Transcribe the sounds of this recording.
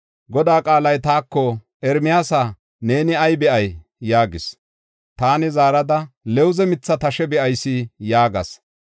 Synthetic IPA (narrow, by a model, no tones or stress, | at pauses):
ɡɔd̪aːkʼaːlɐjt̪aːkːɔ | ɛɾmɪjaːsɐ | ne̞ːnɪɐjbɛʔɐjː | aːɡɪs | t̪aːnɪzaːɾɐd̪ɐlɛwʊzɛmɪt͡sːɐt̪ɐʃɛbɛʔɐjsɪjaːɡɐ̰s